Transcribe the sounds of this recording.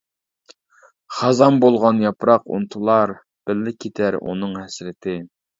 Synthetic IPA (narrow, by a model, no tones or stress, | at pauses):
χɑzɑmbolˠʁɑnjɑpɾɑqṵnt̪ʰulˠɑɾ | b̥ɪlːɪkʲʰet̪ʰæɾṵnɨŋhɛsɾɪt̪ʰɪ